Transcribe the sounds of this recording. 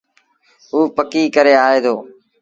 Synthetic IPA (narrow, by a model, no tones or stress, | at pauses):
ɦuːpəkiːkəɾeːaːɦeːd̪oː